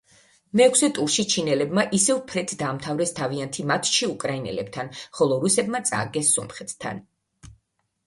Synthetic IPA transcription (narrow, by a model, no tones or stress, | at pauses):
mɛːkʰsɛt̪ʼuɾʃit͡ʃʰinɛlɛbmaʔisɛvpʰɾɛt̪ʰd̪aːmt̪ʰavɾɛst̪ʰaviant̪ʰimat̪ʰʃiukʼɾainɛ̰lɛ̰bt̪ʰanχɔlˠɔɾusɛbmat̪sʼa̰ɡɛsːɔmχɛt̪ʰt̪ʰa̰n